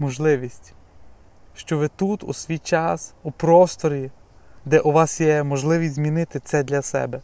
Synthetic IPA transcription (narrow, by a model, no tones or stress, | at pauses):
mɔʒlˠɪʋʲisʲtʲ | ʃt͡ʃɔʋɪt̪ut̪ṵsʋʲijt͡ʃɑsupɾɔst̪ɔɾʲi | d̪ɛʔuʋɑsjɛmɔʒlˠɪʋʲisʲtʲzmʲinɪt̪ɪt̪sɛd̪lʲɐsɛ̰bɛ